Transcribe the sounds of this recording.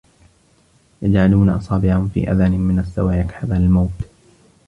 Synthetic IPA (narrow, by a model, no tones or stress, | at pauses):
jad͡ʒʕaluːnaʔɑsˤɑːbɪʕanfḭːʔa̰ðaːnɪmɪnasːa̰waːjakħaðaːlɪlmawt̪